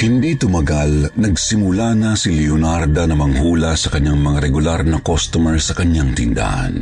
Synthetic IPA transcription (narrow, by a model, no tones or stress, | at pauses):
hɪnd̪it̪ʊmɐɡalnɐɡsɪmʊlanɐsilɛonaɾd̪ɐnɐmɐŋhuːlɐsɐkɐɲaŋmɐŋaɾɛɡʊlaɾnɐkost̪omɛɹsɐkɐɲːaŋt̪ɪnd̪a̰ʔa̰n